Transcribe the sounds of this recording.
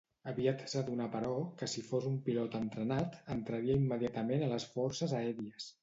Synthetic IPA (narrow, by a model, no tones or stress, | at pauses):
əβiat̪səðunapəɾɔkəsifozumpilɔt̪ənt̪ɾənat̪ənt̪ɾəɾiəimːəðiat̪əmenələsfɔɾsəzəɛɾiəs